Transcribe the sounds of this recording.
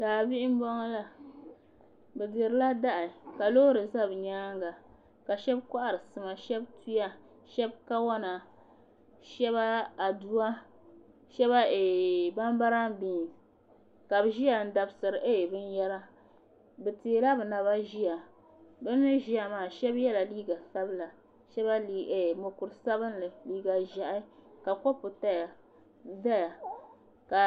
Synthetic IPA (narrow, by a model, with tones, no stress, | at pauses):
daː˨bi˦ɪ˦m˦bɔ˦ŋ˦la˦ | bɛ˨dɨ˨ɾɨ˨˦la˦da˦ʔɪ˨ka˨lo˦ɾɨ˨za˦bɲaː˦ŋɡa˨ | ka˨ʃɛ˦bka˦ʔa˨ɾɨ˨sɨ˨ma˨ʃɛ˦btu˦ja˦ | ʃɛ˦b̚ka˦wa˦na˨ | ʃɛ˦βa˦a˨du˦a˦ | ʃɛ˦βa˦e˨ba˦mba˦ɾa˦ŋbiː˨ | ka˨bɨ˨ʒi˦a˨n̩˦da˨bsɨ˨ɾɨ˨ʔe˦˨bɨ˦n˦jɛ˦ɾa˦ | bɨ˨ti˨e˨la˦bɨ˨na˨βa˦ʒi˦a˨ | bɨ˦nːɨ˦ʒi˦a˨maː˦˨ʃɛ˦bjɛ˦la˨liː˦ɡa˨sa˦bɨ˦la˨ | ʃɛ˦ba˦li˦˨e˨mo˨kʊ˨ɾɨ˨sa˦bɨ˦nlɨ˨liː˦ɡa˨ʒa˨ʔa˦ka˨kɔ˦pʊ˨ta˦ja˨ | da˦ja˨ | ka˨